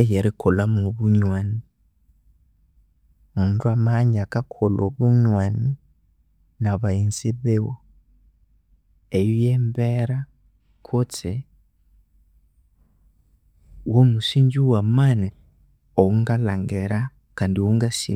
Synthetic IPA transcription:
ejeɾikʰolamoβuɲwani | untuamaɲiakakʰolʔoβuɲwani | naβainziβewo | ejojembeɾa | kʰot͡se | womusiːɲɟuwamani | oŋɡalaŋɡeɾa | kaːndioŋɡasḭ

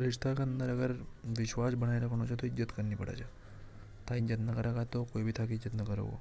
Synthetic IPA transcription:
ɾiʂt̪ʰakənd̪əɾəɡəɾʋiɕʋasbəɽ̃ajɾakəɳ̃õt͡ɕʰet̪oid͡ʑət̪kəɾniːpəɽa̰t͡ɕa | t̪ʰãĩd͡ʑət̪nəkəɾakat̪okojbʱiːt̪ʰakiid͡ʑət̪nəkəɾə̰ɡo̰

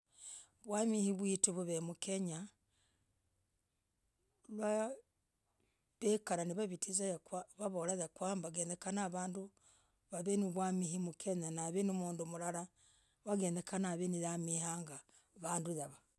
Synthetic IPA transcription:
βwamihiβwituβuβemukeɲa | lwa | βekaɾaniβaβitʰizajakwaβaβolaðakwambaɡeːndekanaβaːndu | βaβeniβwamihimukʰeɲanaβenumuːndumulaɾa | βaɡeːndekanaβeniðamihaŋɡa | βaːnduðaβa

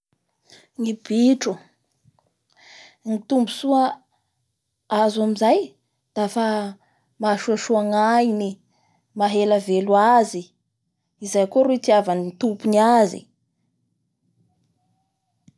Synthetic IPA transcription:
ŋib̥iʈ͡ʂu | ŋit̪umbusua | azamizaj | d̪̥afa | maʃuaʃuaŋaini | maɦelaveluazi | izajkoɾuit̪iavanit̪upuniazḭ

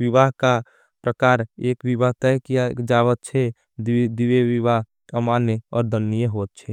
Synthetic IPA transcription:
ʋiβaɦka | pɾəkaɾekʋibaɦt̪ɛkijad͡ʒaβət̪̚t͡ʃʰɛ | d̪ieʋiβaɦ | kamaneɔ̰ːɾd̪ʱənːijeɦot̪̚t͡ʃʰɛ

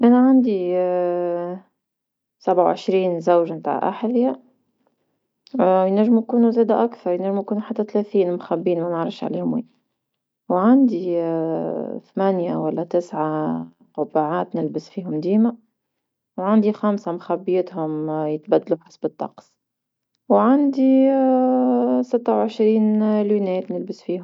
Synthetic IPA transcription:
ʔænaʕand̪i | sabʕawʕɪ̰ʃɾiːnzawʒmt̪a̰ːʕʔa̰ħðja | jnæʒːɪmujkuːnuzæːd̪aʔakθɑɾˤjnæʒːmujkuːnuħat̪ːæt̪læθiːnmʊxæbːiːnmænəʕɾˤəfʃʕlḭːhʊmwḭː | wʕand̪i | θmænjawælːæt̪ɪsʕa | qʊbaʕaːt̪nɪlbɪsfiːɦʊmd̪iːma | wʕand̪ixæmsamxabːjɪt̪hʊmjət̪bæd̪ːluħɪ̥sbət̪ːɑ̰qs | wʕand̪i | sɪt̪ːawʕəʃɾiːnlunɛːt̪nɪlbɪsfiːhʊm

